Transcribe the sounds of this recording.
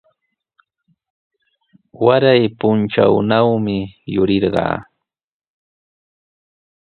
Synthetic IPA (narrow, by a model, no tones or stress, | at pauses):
waɾajpʊnt͡ʃa̰wnawmɪjʊɾɪɾɢɑ̰ː